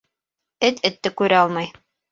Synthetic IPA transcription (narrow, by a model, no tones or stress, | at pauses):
ɘt̪ɘ̆t̪ːɘkʉɾæɑlˠmɑj